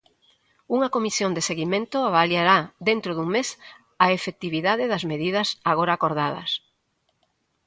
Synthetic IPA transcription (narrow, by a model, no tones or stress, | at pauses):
uŋɐkomisjond̪eseɣimẽnt̪ʊaβaljaɾaðent̪ɾoðuŋmes | aefet̪iβiðaðɪðɐzmeðið̞ɐsaɣ̞oɾaːkoɾðað̞ɐ̰s